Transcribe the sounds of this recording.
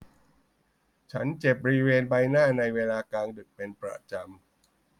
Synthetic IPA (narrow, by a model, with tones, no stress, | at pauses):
t͡ɕʰa˦˥nt͡ɕe˨˩p̚bɔ˧ɾi˦˥weː˧nbaː˧jnaː˥˩na˧jweː˧laː˧kaː˧ŋdɯ˨˩k̚pe˧npɾa̰˧˩t͡ɕa˧m